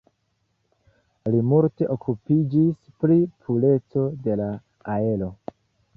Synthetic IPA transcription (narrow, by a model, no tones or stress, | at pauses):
limulte̞ʔokʰupid͡ʒis | pɾipʰule̞t͡so̞de̞la | ae̞lo̞